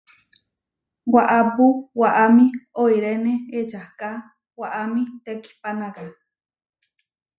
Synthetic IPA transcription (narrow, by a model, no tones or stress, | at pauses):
waʔapuwaʔamĩojɾeneet͡ʃahka | waʔamĩt̪eki̥panaka